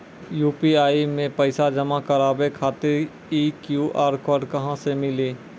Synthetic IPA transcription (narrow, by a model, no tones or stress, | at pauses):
juːpiaːimẽpəɪsad͡ʒɐmakɐɾaːbekʰaːt̪ɪɾ | iːkjuːʔaːɾkɔːɾɖkɐɦãsemɪleː